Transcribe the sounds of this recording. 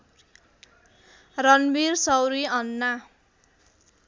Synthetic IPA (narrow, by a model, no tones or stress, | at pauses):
rʌnbirsʌwɾiʌnːa